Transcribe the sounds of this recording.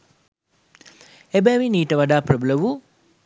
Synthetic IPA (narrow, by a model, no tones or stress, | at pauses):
ebɛʋiniːʈəʋaɖaːprəbələʋu